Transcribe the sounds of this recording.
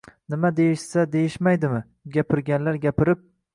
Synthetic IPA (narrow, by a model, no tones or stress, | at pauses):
nɪmad̪e̞jɪʃsad̪e̞jɪʃmajd̪ɪmɪ | ɡʲapʰɪɾɡʲanlaɾɡʲapʰɪɾɪp̚